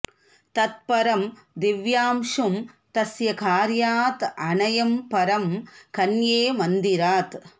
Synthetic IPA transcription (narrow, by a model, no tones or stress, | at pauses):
t̪ɐt̪̚pɐɾɐm | d̪iʋjaːmʂum | t̪ɐsjɐkaːɾjaːt̪ɐɳɐjɐmpɐɾɐmkɐnjeːmɐnd̪iɾaːt̪